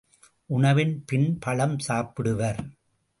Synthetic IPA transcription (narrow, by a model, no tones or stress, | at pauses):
ʔʊɳɐʋɪnpɪnpɐɭɐmsaːpɪɽɯʋɐɾ